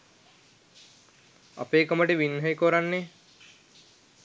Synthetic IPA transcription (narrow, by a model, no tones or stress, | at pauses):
a̰peːkoməʈiʋinːɦɐjkoɾanːe